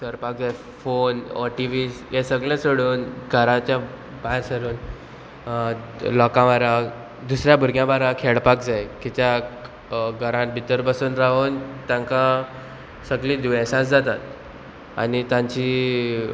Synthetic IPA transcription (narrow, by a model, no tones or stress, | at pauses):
səɾpak̚d͡zaj | fonɔ̰ʈiʋisjesəɡlɛ̃soɽuːnɡʱəɾãt͡ɕja | baɦeɾsəɾuːn | lɔkãʋaɾa | d̪usɾjabʱuɾɡjãbaɾãkʰeɽpak̚d͡zajkit̪ja | ɡʱəɾãnbʱit̪əɾbəsuːnɾaʋont̪jãŋkã | səɡlĩːd̪uɛsãt͡sd͡zat̪at̪̚ | a̰nit̪jãɲt͡ɕi